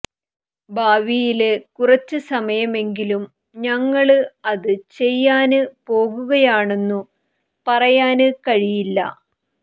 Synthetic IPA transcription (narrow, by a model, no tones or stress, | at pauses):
bʱaːʋijilekurɐt͡ɕːɨsɐmɐjɐme̞ŋɡilum | ɲɐŋːɐɭɨɐðɨt͡ɕe̞jːaːnɨpo̞ːɣuɣɐjaːɳe̞nːu | pɐrɐjaːnɨkɐɻijilːɐ̰